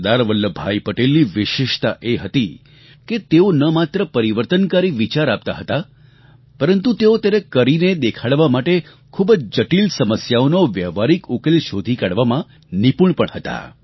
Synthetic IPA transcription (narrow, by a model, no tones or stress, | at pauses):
d̪aɾʋəlːəbʱaipəʈelːiʋɪʃɪʃt̪aʔeɦət̪i | ket̪eonəmat̪ɾəpəɾiʋəɾt̪ənkaɾiʋit͡ʃaɾap̚t̪a̰ɦət̪a | pəɾənt̪ut̪eot̪jaɾekəɾined̪ekʰaɭʋamaʈe | kʰubəd͡ʒd͡ʒəʈilsəməsjaonoʋjəʋaɾikukelʃod̪ʱikaɽʋamã | nipuɳpəɳhət̪a̰